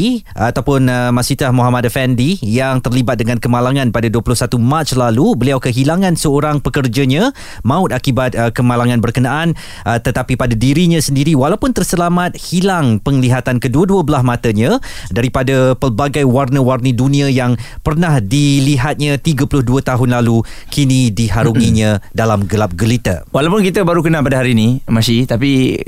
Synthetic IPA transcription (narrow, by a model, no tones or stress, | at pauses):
at̪awpʊnəmasit̪ahmuɦamadafɛndijaŋt̪ərlibat̪̚dəŋãnkəmalaŋãnpadaduəpulʊhsat̪umat͡ʃlalubəliawkəɦilaŋãnsəoɾaŋpəkərd͡ʒaɲã | maʊt̪̚akibat̪̚əkəmalaŋãnbərkənaʔan | ət̪ət̪apipadadiɾiɲãsəndiɾiwalawpʊnt̪ərsəlamat̪̚hilaŋpəŋliɦat̪ankəduəduəbəlasmãt̪əɲãdaɾipadapərbaɡajwarnə̃warnədunĩajaŋpərnahdiliɦat̪̚ɲãt̪iɡəpulʊhduət̪aɦʊnlalukʰinidiɦaɾuŋĩɲãdalamɡəlap̚ɡəlit̪ə̰walawpʊnkit̪əbaɾukənãpadəɦaɾinimasit̪api